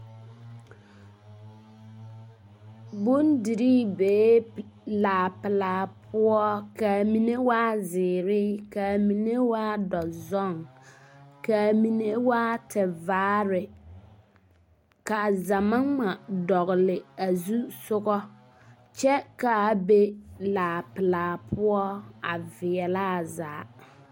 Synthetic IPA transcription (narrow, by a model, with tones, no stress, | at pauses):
bu˦ndi˨ɾiː˦beː˨˦laː˨pɪ˨laː˨pʰʊ˦ɔ˦ka˨mi˨ne˦waː˦zɪː˨ɾɪ˦ka˨mi˨ne˦waː˦dɔ˨zɔ˦˨ŋ | ka˨mi˨ne˦waː˦tʰɛ˨vaː˨˦ɾɪ˨ | ka˨za˨ma˦ŋma˨dɔ˨ɣɪ˨lɪ˨a˨zu˦sʊ˦ɣɔ˦ | t͡ʃɛ˦ka˨be˦laː˨pɪ˨laː˨pʰʊ˦ɔ˦a˨vɪ˨ɛ˨laː˦˨za̰ː˨˦